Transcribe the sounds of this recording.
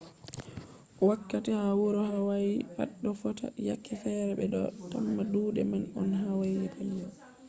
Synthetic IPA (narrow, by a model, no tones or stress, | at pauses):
wakːatihawuɾɔhawajiba̰ɗːɔfɔta̰ja̰kːifɛɾɛbɛɗɔ̰tamːaduːdɛ̰manɔ̰nɦawajɛpʰalijɔ